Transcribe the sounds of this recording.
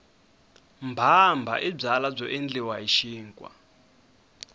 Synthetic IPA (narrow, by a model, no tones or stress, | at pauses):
mbʱambʱa̰ʔib͡ʐalab͡ʐɔʔind͡ɮiwaiʃiːŋkʼwa̰